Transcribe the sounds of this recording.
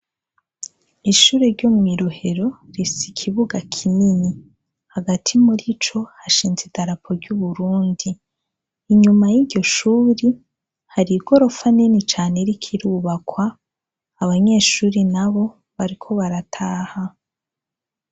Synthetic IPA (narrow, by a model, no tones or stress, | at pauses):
iʃuːɾeɾɟomŋwiːɾo̞he̞ɾo̞ɾisikʰiβuɡakʰinini | haɡatʰimuɾit͡ʃo̞haʃiːnzidaɾapʰoɾɟuβuɾuːndiː | ɲumajiɟo̞ʃuːɾi | haɾiɡo̞ɾo̞faninit͡ʃaːneɾikʰiɾuːβakwaː | βaɲe̞ːʃuːɾinaβo̞ | βaɾikʰo̞βaɾatʰaːha